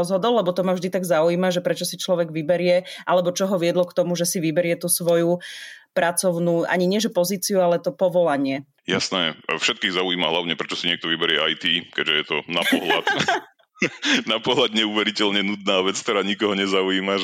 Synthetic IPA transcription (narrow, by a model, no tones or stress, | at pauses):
ɔzɦɔd̪ɔlːɛbɔt̪ɔmavʒd̪it̪aɡzauiːmaʒɛpɾɛt͡ʃɔsit͡ʃlɔʋɛɡʋibɛɾɪɛʔalɛbɔt͡ʃɔɦɔʋɪɛd̪lɔkt̪ɔmuʒɛsiʋibɛɾɪɛt̪uːsʋɔjupɾat͡sɔʊnuːʔa̰ɲiɲɪɛʒɛpɔziːt͡siualɛt̪ɔpɔʋɔlaɲɪɛ | jasnɛːfʃɛt̪̚kiːɣzauiːmaɦlaʊɲɛpɾɛt͡ʃɔ̥siɲɪɛk̚t̪ɔʋibɛɾɪɛajt̪iːkɛɟʒɛjɛt̪ɔnapɔɦla̰t̪ | napɔɦlad̪ɲɛuʋɛɾicɛʎɲɛnud̪naːʋɛt͡skt̪ɛɾaːɲikɔɦɔɲɛzauiːma